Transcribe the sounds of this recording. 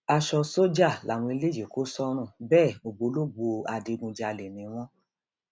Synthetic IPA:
a˧ʃɔ˧so˦d͡ʒa˦˨la˨w̃ɔ̃˧i˧le˦˨d͡ʒe˨ko˨˦sɔ˦ɾ̃ũ˦˨bɛː˦˨o˨ɡ͡bo˨˦lo˦ɡ͡bo˧a˧de˧ɡũ˧d͡ʒa˧le˨nĩ˨˦w̃ɔ̃˦

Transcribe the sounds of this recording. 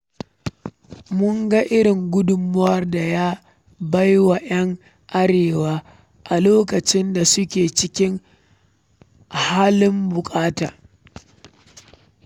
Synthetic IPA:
mʊ˦ŋɡa˦ʔɪ˦ɾɪ˨ŋɡʷʊ˦dʊ˨mːʊ˦wɐ˦rda˨jaː˦ | ba˦jwa˨jɐ˦ŋ | ʔa˦ɽeː˨waː˦ | ʔa˨loː˦kɐ˨t͡ʃɪ˦nda˨sʊ˦kʲeː˨t͡ʃɪ˦kʲɪ˦ŋ | haː˦lɪ˦mbʊ˨kʼaː˦ta̰ː˨

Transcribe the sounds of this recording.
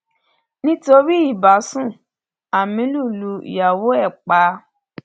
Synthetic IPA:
nĩ˦to˧ɾi˦i˦˨ba˨˦sũ˦˨ | a˨mĩ˨˧˦lu˦˨lu˧ḭ˨ja˨wo˦ɛ˦˨k͡pa˨˦

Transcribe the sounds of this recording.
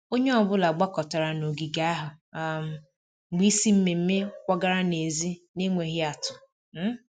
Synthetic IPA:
o˦ɲe˦ɔ˨bʊ˦la˨ɡ͡ba˦kɔ˨ta˨ɾa˨no˨ɡi˨ɡa˨˦a˦ɦʊ˨m̩˨ | ŋ͡m̩˨ɡ͡bi˦si˦m̩˦me˨m̩˦me˦kʷa˦ɡa˦ɾa˦ne˨zi˦ne˦ŋʷe˨ɦɪ˦a˨tʊ˨˦

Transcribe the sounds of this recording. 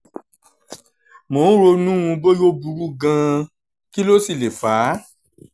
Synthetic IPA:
mo˨˦n̩˦ɾo˧nũ˦ũ˧bo˦jo˦bu˧ɾu˦ɡã˧ | ki˦lo˦si˦˨le˨faː˨˦

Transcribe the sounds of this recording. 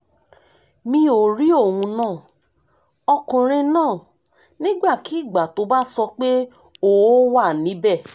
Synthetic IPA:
mĩ˧˦o˨ɾi˦o˦˨wũ˧nãː˦˨ | ɔ˧kũ˨ɾ̃ĩ˧nãː˦˨ | nĩ˦ɡ͡ba˦˨ki˨˦i˦˨ɡ͡ba˨to˨˦ba˦sɔ˧k͡pe˦ | o˦˨wo˦wa˦˨nĩ˨˦bɛ˦˨

